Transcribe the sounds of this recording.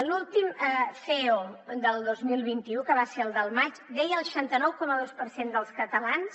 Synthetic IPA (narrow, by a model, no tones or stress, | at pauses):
lulˠt̪iməfeod̪əlˠd̪ozmilˠβ̞int̪iukəβaseɾəlˠd̪əlˠmat͡ʃd̪ɛjəlˠʃant̪ənɔwkɔməðospəɾsend̪əlˠskət̪əlans